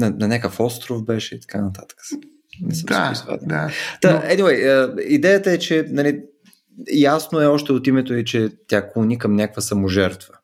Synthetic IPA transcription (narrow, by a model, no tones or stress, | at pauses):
nɐnɐnʲakəfɔst̪ɾofbɛʃɛit̪ɐ̥kanɐt̪at̪ə̥kə̥s | nɛsəmaizva̰d̪ɛd̪at̪aɛniwɛjəid̪ɛjət̪əɛt͡ʃɛnɐli | jasnoɛɔʃt̪ɛot̪imɛt̪oit͡ʃɛt̪ʲjakunikɐmnʲakvəsɐmoʒɛɾt̪və̥